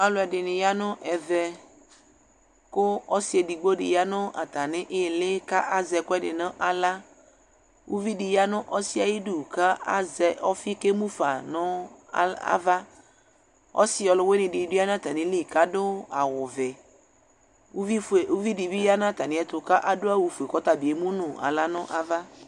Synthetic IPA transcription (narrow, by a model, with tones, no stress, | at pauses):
a˨lʊ˨ɛ˨ɖɪ˨nɪ̃˨ja˦nɔ̃˦ʔɛ˨vɛ˨ | kʊ˦ɔ˦si˦e˨di˨ɡ͡bo˦ɖɪ̰˨ja˦nɔ̃˦ʔa̰˨t̪a˨nɪ̃˦ʔe˦˨lɪ˦ka˦ʔa˦zɛ˨kʊ˦ɛ˦ɖɪ̰˨nã˦ʔa˨la˦ | wʔu˦vi˦ɖi˨ja˦nɔ̃˦ʔɔ˦si˦a˨ji˦ɖu˦˨ka˦a˦zɛ˨ɔ˦fi˦ke˦mũ˦fa˨nɔ̃˦˨ | a̰˦va˦ | ɔ̰˦sɪ˦ɔ˨lʊ˨we˦nɪ̃˨ɖɪ˨dʊ˦a˦nã˦˨t̪a˨nɪ̃˦li˦˨ka˦dʊ˦a˨wʊ˨vɛ˨˦ | i˦e˨u˦vi˦di˨vi˦ja˦nã˦˨t̪a˨nɪ̃˦ɛ˦t̪ʊ˨ka˦ʔa˨dʊ˦a˦wu˨fu˨e˨kɔ˦t̪a˨bi˨e˨mũ˦nʊ̃˨a̰˨la˦nɔ̃˦ʔa˦va˦